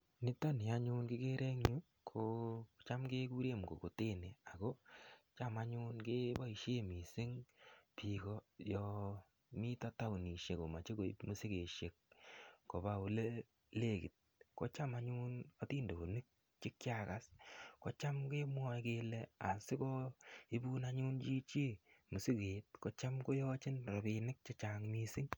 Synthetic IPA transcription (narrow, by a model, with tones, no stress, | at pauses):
nɪ˦tɔ˦ni˨a˦ɲu˦nkɪ˦ke˦ɾʔe˦ŋɲu˦ | kʰo˦t͡ʃa˦mke˦ku˦ɾe˦m˨ɡo̰˨ko˨te˦ne˨a˨ko˦t͡ʃa˦ma˦ɲuː˦nke˦bɔ˦i˨ʃe˦mi˨sɪ˦ŋpi˨kɔ˦jɔ˨ | mi˦ta˦ta˦wni˨ʃe˨ko˨ma˨t͡ʃe˦ko˨i˦mu˦si˦ke˨ʃe˨k̚ː | o˨ba˨u˨le˦ | le˦ki˨t̚kɔ˦t͡ʃa˦ma˦ɲu˦nɔ˦tiː˦ndo˨bo˨nɪ˦k̚ | t͡ʃɪ˦kt͡ʃa˦ka˨skɔ˦t͡ʃa˦mkeː˦mwɔ˦jke˧le˦a̰˨sɪ˦kɔ˦i˦bu˦na˦ɲu˦nt͡ʃi˦t͡ʃi˦mu˨si˦ke˨t̚kɔ˦t͡ʃa˦mko˦jɔ˦t͡ʃɪ˦nɾɔ˨bi˧nɪ˦k̚t͡ʃe˦t͡ʃa˨ŋmi˨sɪ˦ŋ